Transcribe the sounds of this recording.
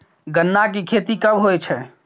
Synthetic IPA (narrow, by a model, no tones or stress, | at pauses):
ɡənːak̬ikʰet̪ikəbɦojt͡ʃʰɛ